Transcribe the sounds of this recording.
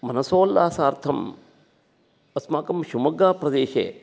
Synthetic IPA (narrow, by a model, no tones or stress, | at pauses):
mɐnɐsoːlːaːsaːɾt̪ʰɐm | ɐsmaːkɐmʃumɐɡaːpɾɐd̪eːʃḛː